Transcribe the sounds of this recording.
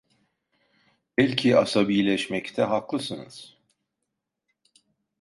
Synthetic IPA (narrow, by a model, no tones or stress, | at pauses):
bɛlʲcʰia̰sabijlʲɛʃmɛct̪ʰɛɦaklˠɯsɯnɯ̰z̥